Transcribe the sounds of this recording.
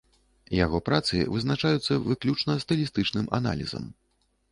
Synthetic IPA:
jaɣɔpɾat̪sɨ̰vɨznat͡ʂajut̪sːɐvɨklʲut͡ʂnɐst̪ɐlʲist̪ɨt͡ʂnɨmʔa̰na̰lʲḭzɐ̰m

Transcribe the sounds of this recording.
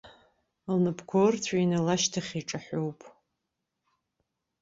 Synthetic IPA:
lnɨpʰkʷʰort͡sʷʰainalaʃtʰaχʲiʈ͡ʂʼaħowpʼ

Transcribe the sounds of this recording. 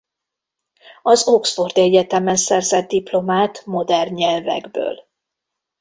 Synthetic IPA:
ɒzo̞ksfo̞rd̪ɛɟɛt̪ɛmɛnsɛrzɛd̪̚d̪iplo̞maːt̪mo̞d̪ɛrɲɛlvɛ̰ɡbø̰ːl

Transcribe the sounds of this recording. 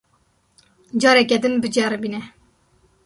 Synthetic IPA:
d͡ʒɑːɾɛkɛd̪ɨnbɨd͡ʒɛɾɨbiːnɛ

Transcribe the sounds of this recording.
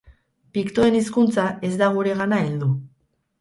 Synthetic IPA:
pikt̪oe̞niskunt͡sae̞zd̪aɣuɾe̞ɣanae̞ld̪u

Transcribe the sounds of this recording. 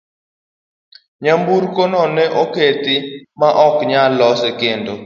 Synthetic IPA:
ɲambuɾkonɔnɛʔoketimaʔɔkɲalɔsɪkendo

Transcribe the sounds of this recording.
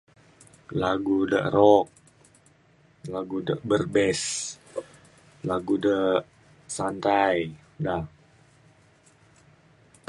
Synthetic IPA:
laɡudə̰ʔrɔk̚ | laɡudəʔbərbɛs | laɡudə | sant̪aj | dah

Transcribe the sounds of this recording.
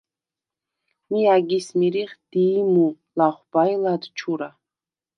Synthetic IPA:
miaɡismiɾiχd̪̥iːmu | laχʷb̥ajlad̪t͡ʃʰuɾa

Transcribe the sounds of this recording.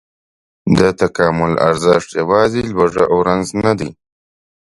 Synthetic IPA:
d̪ət̪akɑːmʊla̰ɾzəʂʈjawɑːzilwaʐa̰ʔawɾanznad̪i

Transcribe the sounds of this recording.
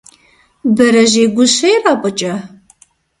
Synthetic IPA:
bɐɾɐʒeːɡʷʊɕɐjraːpʼɔt͡ʃʼɐ

